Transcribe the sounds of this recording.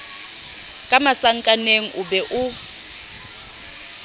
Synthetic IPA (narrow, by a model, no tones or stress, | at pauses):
kʼamasaŋ̩kʼaneŋ̩ʔubɛʔu